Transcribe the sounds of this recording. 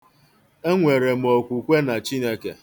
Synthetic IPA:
e˦ŋʷe˨ɾe˨m̩˨o˨kʷu˨kʷe˦na˨t͡ʃi˦ne˦kḛ˨

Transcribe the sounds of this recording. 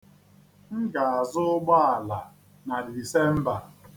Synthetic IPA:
ŋ̩˦ɡa˨a˨zʊ˦ʊ˦ɡ͡ba˦a˨la˨ | na˨di˨se˦m̩˦ba˨

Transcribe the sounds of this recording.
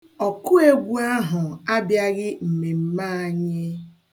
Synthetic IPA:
ɔ˨ku˦e˦ɡʷu˦a˦ɦʊ˨a˦bja˦ɣɪ˦m̩˨me˨m̩˦ma˦˨˦ɲe˦

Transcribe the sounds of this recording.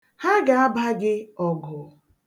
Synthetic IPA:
ha˦ɡa˨a˦ba˦ɡɪ˦ɔ˨ɡʊ˨

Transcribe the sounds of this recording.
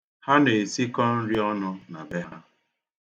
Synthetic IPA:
ha˦ne˨e˨si˦kɔ˦n̩˦ɾi˦ɔ˦nʊ˦na˨be˦ɦa˦

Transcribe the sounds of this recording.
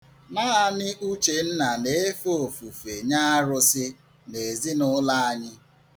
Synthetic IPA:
naː˦a˨nɪ˦ʔu˦t͡ʃe˨n̩˦na˨ne˦e˦fo˨fu˨fe˨ɲa˦ɾʊ˦sɪ˦ | ne˨zi˦nʊ˦la˦a˦ɲɪ˦

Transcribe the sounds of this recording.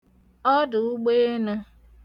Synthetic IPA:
ɔ˦dʊ˨u˦ɡ͡be˦na˦

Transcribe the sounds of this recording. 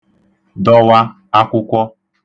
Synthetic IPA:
dɔ˦wa˦ | a˦kʷʊ˦kʷɔ˦

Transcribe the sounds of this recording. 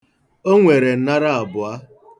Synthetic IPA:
o˦ŋʷe˨ɾe˨n̩˦na˦ɾa˦a˨bʊ˨a˦

